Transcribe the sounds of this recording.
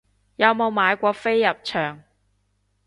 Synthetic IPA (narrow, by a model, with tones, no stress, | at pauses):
jɐ˨˧wmo˨˧wmaː˨˧jkʷɔː˧fe˥jːɐ˨p̚t͡ʃʰœː˨˩ŋ